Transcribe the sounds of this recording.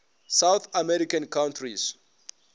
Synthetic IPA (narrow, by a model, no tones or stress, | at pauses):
sawθʰamɛɾikãnkʰãw̃ntʰris